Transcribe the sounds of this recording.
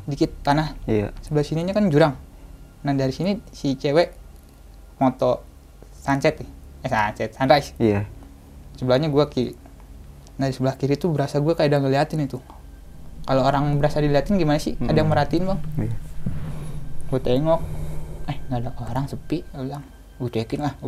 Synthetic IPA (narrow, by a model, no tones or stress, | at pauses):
dikɪt̪ːanahsəbəlahsiniɲakand͡ʒuɾaŋ | nahdaɾisinisit͡ʃewɛʔ | mot̪ɔ | sant͡ʃɛt̪ɪhasant͡ʃɛt̪̚sandɾaisa | səbəlahɲaɡuakiɾḭ | ndaɾisəbəlahkiɾit̪ubəɾasaɡuakaadaŋɡaliat̪ɪnit̪u | kalooɾaŋbəɾasadiliɦat̪ɪnɡimanasḭadajaŋməɾat̪iːnbaŋ | ɡuat̪eŋɔk̚ahŋɡadaoɾaŋsəpiʔlaŋ | ɡut͡ʃekɪnlah